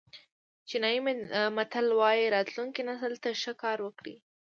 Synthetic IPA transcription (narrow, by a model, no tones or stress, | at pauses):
t͡ʃɪnɑjimmat̪alwɑjiɾɑt̪luŋkinasəlt̪aʃəkɑɾwəkɽḭ